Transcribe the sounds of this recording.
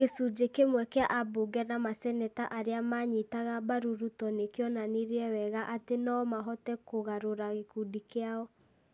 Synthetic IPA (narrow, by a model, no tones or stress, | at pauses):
kesud͡ʒekemwɛkeaʔaboɡɛnamasɛnɛtaʔaɾeamaɲitaɣabaɾuɾutɔnekjɔnaneɾeɛwɛɣaʔatenaɔmaɦɔtɛkoɣaɾoɾaɣekudikeaɔ